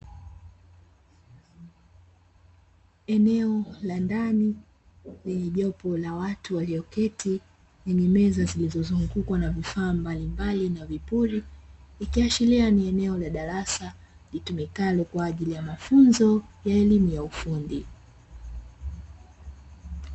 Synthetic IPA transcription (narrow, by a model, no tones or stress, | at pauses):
ɛnɛɔlandani | lɛɲɛʄɔpɔlawatuwaliɔkɛti | lɛɲɛmɛzazilizɔzuŋɡukwanavifaːmbalimbalinavipulilikiaʃilianiɛnɛɔlaɗaɾasa | litumikalɔkwaːʄilijamafunzɔjaɛlimujaufundi